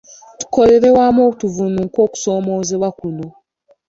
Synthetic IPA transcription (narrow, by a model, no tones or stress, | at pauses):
tu̥ko̞le̞ɾe̞waːmoːkutuvunuŋko̞ːku̥so̞ːmo̞ze̞βwakuno̞